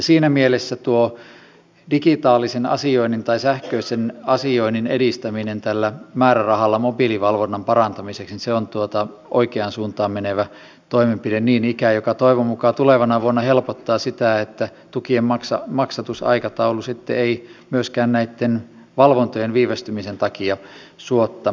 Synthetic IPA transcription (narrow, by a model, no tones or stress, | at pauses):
jɑsiːnæmielesːæt̪uo | dikit̪ɑːlːˑisenɑ̰sioinint̪ɑisæhkøisenɑsioininḛdist̪æminent̪ælːæmæːɾærɑhɑlːɑmobiliʋɑlʋonːɑmpɑrɑnt̪ɑmiseksniseont̪uot̪ɑ | ʔo̰ikeɑnsuːnt̪ɑːmmeneʋæ | t̪oimempidenniːnikæjokɑt̪oiʋomukɑt̪uleʋɑnɑʋuonːɑhelpot̪ːɑːsit̪æet̪ːæt̪ukiemɑksɑ̰mɑksɑt̪usɑ̰ikɑt̪ɑulusit̪ːḛeimyøskæːnnæit̪ːen | ʋɑlʋont̪ojenʋiːʋest̪ymisent̪ɑkiɑsuot̪ːɑ